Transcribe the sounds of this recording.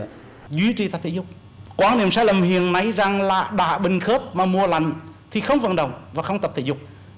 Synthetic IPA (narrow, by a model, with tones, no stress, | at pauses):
zwi˨˧˦t͡ɕi˨˩t̪ə˨˩p̚t̪ʰi˧˨˩zʊ˨˩k͡p̚ | kwaː˨˦nḭ˧˩əmsaː˧˥jlə˨˩mhḭ˧˨ənna˨˧˦jza˨˩ŋlaː˨˩ɗa̰ː˧˨ɓï˨˩ŋ̟xəː˦˥p̚maː˨˩mu˧əla˧˩jŋ̟t̪ʰi˨˩xə˧wŋ͡mvə̰˧˩nɗə˨˩wŋ͡mvaː˨˩xə˧wŋ͡mt̪ə˨˩p̚t̪ʰḭ˧˨zʊ˨˩k͡p̚